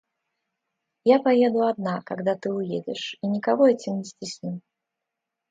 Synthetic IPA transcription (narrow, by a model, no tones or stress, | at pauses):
japajɛd̪ʊad̪̚nakaɡd̪at̪ɨujed͡zʲɛʂinʲikavɔɛt͡sʲimnʲɪsʲtʲisʲnʲi